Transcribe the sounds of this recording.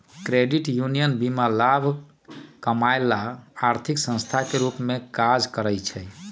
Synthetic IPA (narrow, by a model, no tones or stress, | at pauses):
kɾeɖiʈjunijənbimalabʱ | kəmajlaːɾt̪ʰiksə̃nst̪ʰakeɾupmekad͡ʒkəɾəjt͡ʃʰɛ